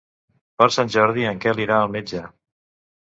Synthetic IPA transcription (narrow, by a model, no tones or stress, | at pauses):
pəɾsanʲʒɔɾðiəŋkɛliɾaəlˠmed͡ʒə